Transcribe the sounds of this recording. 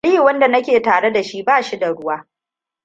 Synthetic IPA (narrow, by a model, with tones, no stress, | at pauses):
liː˦˨wɐ˦nda˨nɐ˦kʲeː˨taː˨ɽe˦da˨ʃi˦baː˦˨ʃi˦da˨ɽʊ˦waː˦